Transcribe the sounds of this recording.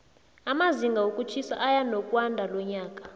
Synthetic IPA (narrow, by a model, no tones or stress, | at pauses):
amaziŋɡʱawokʼut͡ʃʰisa̰ʔajanɔkʼwandʱalɔɲaːkʼḁ